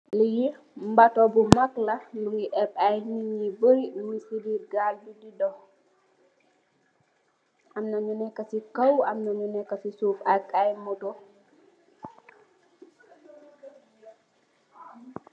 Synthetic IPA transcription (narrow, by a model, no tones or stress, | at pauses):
liji | mbatɔbumaklɐluŋiʔɛpajniɲibəɾimisidiːɾɡaldudidɔ | ʔamnaɲunɛkːasikawamnaɲunɛkːɐsisuːpakajmɔtɔ